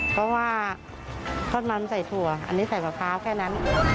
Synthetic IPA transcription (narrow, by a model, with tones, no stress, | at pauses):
pʰɔ˦˥waː˧˥˩ | t̪ʰɔː˧˥˩t̪̚maː˧˥msa˨˩jt̪ʰu˨˩ɐʔa̰˧nːiː˦˥˩sa˨˩jkaː˨˩kʰaː˦˥wkʰɛː˥˩na˦˥n